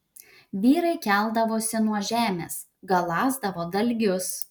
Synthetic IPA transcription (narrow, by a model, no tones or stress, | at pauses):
ʋʲiːɾɐɪkʲæˑlˠd̪ɐʋoːsʲɪnuɔʒʲæːmʲḛːs | ɡɐlˠɑːzd̪ɐʋoːd̪ɐlʲɡʲʊs